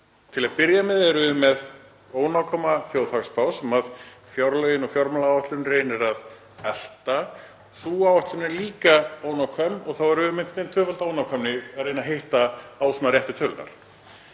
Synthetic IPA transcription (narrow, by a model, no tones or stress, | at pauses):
t̪ʰɪlaðpɪɾjamɛðɛɾʏmːɛð | oːwnawkʰɔmaθjowðθakspawsɛmaðfjɔɾlœɥjɪnɔɣfjɔɾmalaawaht̪lʏnrejnɪɾað | ɛl̥t̪a | suːawaht̪lʏnɛɾliːkaoːwnawkʰœmɔɣθawɛɾʏːʏmẽŋkʰɪnent̪ʰœːfalt̪oːwnawkʰamnɪaɾeːjnaɦejht̪aaːwsunaɾjɛht̪ʏt̪ʰœlʏna̰ɾ̥